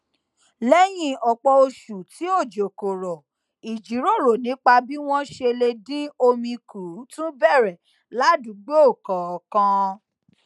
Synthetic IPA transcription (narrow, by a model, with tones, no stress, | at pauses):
lɛ˦j̃ĩ˦ɔ˨k͡pɔ˧o˧ʃu˨ti˨˦o˦˨d͡ʒo˨ko˨ɾɔ˨ | i˨d͡ʒi˨˦ɾo˦˨ɾo˨nĩ˨˦k͡pa˧bi˦w̃ɔ̃˦ʃe˧le˧dĩ˦o˧mĩ˧ku˨˦tũ˦bɛ˦˨ɾɛ˨ | la˨˦du˨˦ɡ͡bo˦o˦˨kã˨ɔ˨kã˧